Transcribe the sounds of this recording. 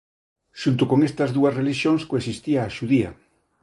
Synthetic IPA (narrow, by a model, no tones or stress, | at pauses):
ʃunt̪okoŋest̪ɐzðuɐsreliʃjoŋskoesist̪iaːʃuðia̰